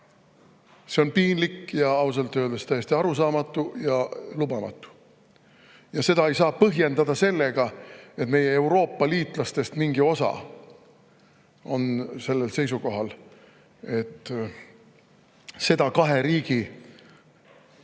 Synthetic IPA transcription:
se̞o̞npiːnlikjɑɑus̬ɑlt̪ːˑøːld̪est̪æjest̪iɑɾusɑːmɑt̪ːˑujɑlubɑmɑ̰t̪ːˑu̥ | jɑse̞d̪̥ɑe̞jsɑːpɤɦje̞nd̪ɑd̪̥ɑse̞lːe̞ɡ̥ɑe̞t̪me̞jeeuwɾo̞ːpːˑɑliːt̪lɑst̪e̞st̪miŋɡ̥io̞sɑ̰ | o̞nse̞lːe̞lse̞js̬uko̞ɦɑl | e̞t̪ː | se̞d̪̥ɑkɑɦeɾiːɡ̥i

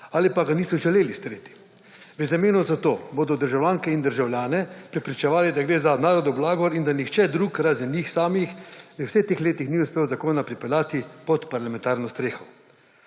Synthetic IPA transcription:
aːlipaɡaniːsɔʒɛleːlist̪ɾeːt̪i̥ | ʋəzameːnɔzat̪oːboːd̪ɔd̪əɾʒawlʲjaːŋkɛind̪əɾʒawlʲjaːnɛpɾɛpɾit͡ʃɛʋaːlid̪aɡɾeːzanaːɾɔd̪ɔblaːɡɔɾind̪anixt͡ʃɛd̪ɾuːkɾaːzɛnjiːxsaːmixʋəwsɛxt̪eːxleːt̪ixniuspeːwzakoːnapɾipɛlaːt̪ipɔt̪paɾlamɛ̃nt̪aːɾnɔst̪ɾeːxɔ

